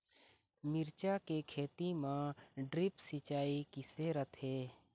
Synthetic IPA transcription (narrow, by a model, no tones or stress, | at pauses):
mɪɾt͡ʃakekʰeːt̪imãɖɾɪpsɪt͡ʃaːikɪseɾət̪ʰɦeː